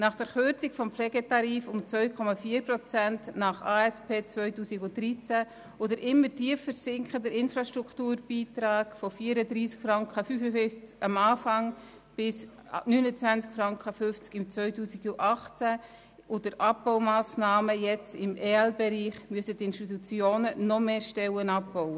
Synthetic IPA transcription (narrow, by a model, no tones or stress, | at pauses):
nɑχd̥ɛɾχʏɾt͡siɡ̥fɔmpflɛɡɛtɑɾiːfʊmt͡sʋœʏkʰɔmɑfiːɾprɔt͡sæntnɑχɑːɛspeːt͡svœʏtuːsiɡʊdɾit͡sæ | od̪əɾʔɪmːətʰiəfːəɾsɪŋkχədəɾɪnfɾɑʃtɾukʰtuːɾb̥iːtɾɑːɡ̥fɔfiːəɾədɾiːskfɾɑŋkχəfyːfəfʏft͡səmɑːfɑŋ | b̥ɪs | nyːnət͡sʋænt͡skfɾɑŋkχəfʏft͡skɪmt͡sʋvœʏtuːsiɡuʔɑχt͡sæ | ʊdəɾʔɑpbɔʊmɑːsnɑːməjɛt͡sɪmʔeːɛlbɛɾiːχmyəsətɪnʃtit̪ut͡sjoːnənɔmeːʃtɛwənɑp̚bɔwə